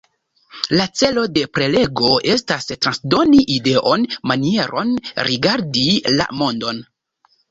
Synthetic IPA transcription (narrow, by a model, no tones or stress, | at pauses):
lat͡se̞lo̞de̞pɾe̞le̞ɡo̞e̞stastɾansdo̞niʔide̞ʔo̞nmanie̞ɾo̞̰nɾiɡaɾdila̰mo̞ndo̞n